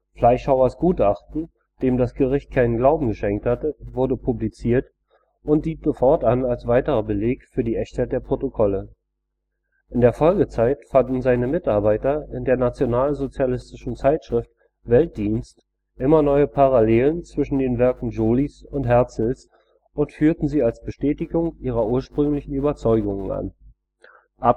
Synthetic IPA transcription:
flaɪʃhaʊɐsɡ̥uːtʔaχtn̩ | d̥eːmdasɡ̥əʁɪçt̚kʰaɪnənɡlaʊbm̩ɡəʃɛŋk̚thatəvʊɐdəpʰublit͡siːɐt | ʊntd̥iːzofɔɐtanalsv̥aɪtəʁɐbəleːkfyːɐdiːʔɛçtʰhaɪt̚d̥eːɐpʁ̥otokʰɔlə | ʔʔɪndeːɐfɔlɡət͡saɪtfandn̩zaɪnəmɪtʔaɐbaɪtɐɪndeːɐnat͡sjonaːlzot͡sjalɪstɪʃn̩t͡saɪtʃʁ̥ɪft | vɛlt̚d̥iːnst | ʔɪmɐnɔʏəpʰaʁaleːlənt͡sv̥ɪʃn̩deːnvɛɐkŋ̩d͡ʒoːlisʊntɦɛɐt͡sl̩s | ʔʊntfyːɐtn̩ziːalsb̥əʃtɛːtɪɡʊŋʔiːʁɐʔuːɐʃpʁ̥ʏŋlɪçn̩yːbɐt͡sɔʏɡʊŋənʔa̰n | ʔa

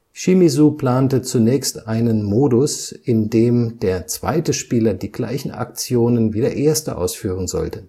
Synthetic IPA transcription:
ʃimizupl̥aːntət͡sunɛːçstʔaɪnənmoːdʊsʔɪndeːmd̥eːɐt͡sv̥a̰ɪtəʃpiːlɐdiːɡla̰ɪçn̩ʔa̰k̚t͡sjoːnənviːdeɐʔeːɐstə̰ʔa̰ʊsfyːʁ̞ənzɔ̰ltə

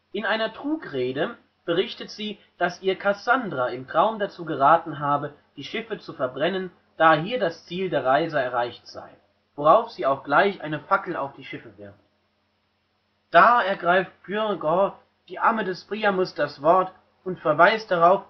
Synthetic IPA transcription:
ʔɪnaɪnɐtʁ̥uːkʁeːdə | b̥əʁɪçtətz̥iː | d̥asʔiːɐkʰasandʁaɪmtʁ̥aʊmdat͡suːɡəʁaːtn̩ɦaːbəd̥iːʃɪfət͡sufɛɐbʁɛnən | d̥aːɦiːɐdast͡siːldeːɐʁaɪzəɛɐʁaɪçtz̥a̰ɪ | voʁaʊfz̥iːaʊxɡ̥laɪçʔa̰ɪnəfakl̩a̰ʊfd̥iːʃɪfəvɪɐft | d̥aːɛɐɡʁaɪftfjyʁɡɔ | d̥iːʔaɐmədɛsb̥ʁ̥iːamʊsd̥asv̥ɔɐt | ʔʊntfɛɐvaɪst̚d̥aʁaʊf

